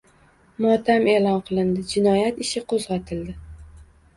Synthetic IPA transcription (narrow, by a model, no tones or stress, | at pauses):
mɒt̪ʰame̞lɒnqʰɨlˠɪnd̪ɪd͡ʒɪnɒjat̪ɪʃɪqʰozʁat̪ʰɪld̪ɪ